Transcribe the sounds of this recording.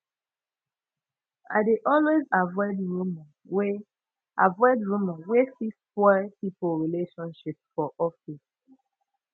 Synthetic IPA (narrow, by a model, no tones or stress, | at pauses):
a̰ɪdeʔɔlwezavɔɪdɹumã | we | ʔavɔɪdɹumawesispɔpipəlɹileʃɔ̃nʃipfɔʔɔfis